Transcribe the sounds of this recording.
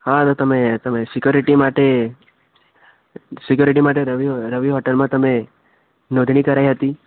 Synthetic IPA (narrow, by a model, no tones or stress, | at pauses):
ɦãt̪ot̪əmet̪əmesɪkjoɾiʈimaʈe | sɪkjoɾiʈimaʈeɾəʋiɾəʋiɦoʈəlmãt̪əme | nod̪ʱɳ̃ikəɾaiɦət̪i